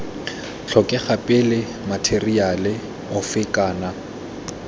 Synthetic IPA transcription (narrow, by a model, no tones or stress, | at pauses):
t͡ɬʰɔkʼɛχapʼɪlɪ | matʰerialɪ | ʊfɪkʼaːna